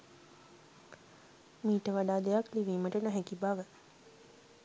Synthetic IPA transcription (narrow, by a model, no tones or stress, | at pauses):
miːʈəʋaɖaːd̪ejakliʋiːməʈənəɦækibaʋə